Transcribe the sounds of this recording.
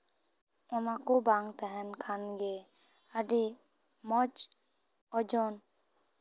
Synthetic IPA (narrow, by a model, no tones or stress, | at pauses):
ʊnakobaŋɡt̪ɛɦɛnkʰanɡe | əɖi | mɔt͡ʃ | ɔd͡ʒɔn